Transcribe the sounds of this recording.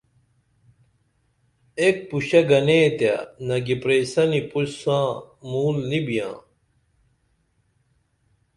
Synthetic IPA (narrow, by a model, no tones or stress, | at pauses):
ek̚puɕɐɡɐneːt̪ja̰nɐɡipɾeːsɐnipuɕsãːmuːlnibijã̰ː